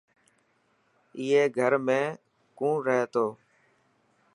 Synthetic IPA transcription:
ɪːeːɡʱəɾmẽː | kũːɾəɦeːt̪oː

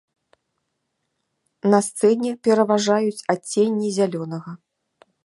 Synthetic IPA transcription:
nɐst̪sɛnʲɛpʲɛɾɐvaʐajut͡sʲat͡sʲːenʲːizʲalʲɔnɐɣɐ

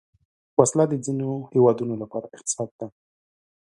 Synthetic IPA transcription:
waslad̪əd͡zinohewɑd̪unolapɑɾaʔɪqt̪ɪ̥sɑd̪̚d̪a

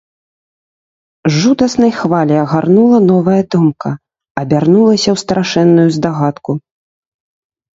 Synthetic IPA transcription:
ʐud̪ɐsnɐjxvalʲɛɐɣarnulˠɐnɔvɐjɐd̪ɔmkɐ | ɐbʲarnulˠɐsʲɐwst̪ɾaʂɛnːujuzd̪aɣat̪ku

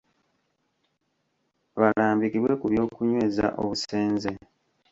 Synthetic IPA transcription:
βalaːmbikiβwe̞kuβjo̞ːkuɲwe̞ːza̰ʔo̰βuse̞ːnze

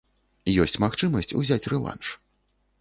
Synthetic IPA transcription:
jɔsʲt͡sʲmaxt͡ʂɨmɐsʲt͡sʲṵzʲat͡sʲrɛlˠa̰nʂ

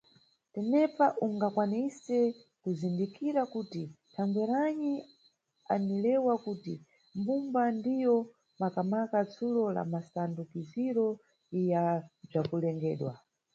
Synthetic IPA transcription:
tɛnɛpaʔuŋɡakwanisɛ | kuzindikiɾakutitʰaŋɡɛɾaɲi | anilɛwakuti | mbumbandijɔ | makamakat͡sulɔla̰masandukiziɾɔ | ijab͡ʐakulɛŋɡɛːɗwa

